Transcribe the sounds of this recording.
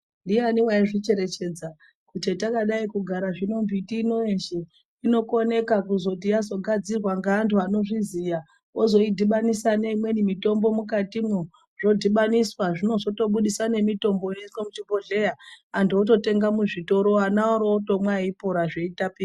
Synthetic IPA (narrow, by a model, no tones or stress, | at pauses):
ndijaniwaiʐit͡ʃe̞ɾe̞t͡ʃe̞d͡za | kutetakaɗaikuɡʱaɾaʐino̞mbitiːno̞enʃe | ino̞kone̞kakuzo̞t̬ijazo̞ɡʱad͡zirwaŋɡaːntʰuano̞ʐizija | ozo̞idʱiɓanisaneimwe̞nimito̞mbo̞mukatimu | ʐo̞dʱiɓaniswaʐino̞zo̞to̞ɓuɗisane̞mito̞mboineswamut͡ʃiboɮe̞jaantʰuot̬o̞te̞ŋɡamuʐito̞ɾo̞anaoɾoto̞mwaipoɾaʐe̞itapiːra